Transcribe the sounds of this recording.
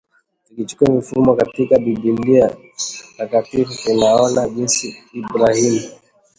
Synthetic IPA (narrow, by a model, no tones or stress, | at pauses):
ikit͡ʃu̥kiamifumwɔkatikaɓibindia | takatifuinaɔnaʄinsiːbɾahimu